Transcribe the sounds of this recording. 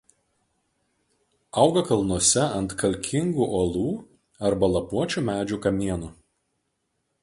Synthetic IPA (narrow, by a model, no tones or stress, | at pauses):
ɐˑʊɡɐkɐlˠnuɔsʲɛɐnt̪kɐlʲkʲʰɪŋɡuːʔolˠuː | ɐɾbɐlˠɐpuɔt͡ʃʲumʲæːd͡ʒʲukɐmʲiɛnuːˑ